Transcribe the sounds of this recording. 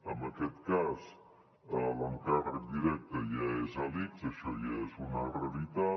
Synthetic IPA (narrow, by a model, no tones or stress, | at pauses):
əmbəkɛt̪kaz | ələŋkarək̚d̪iɾɛk̚t̪əjaezalikzəʃɔjaezunərəlit̪a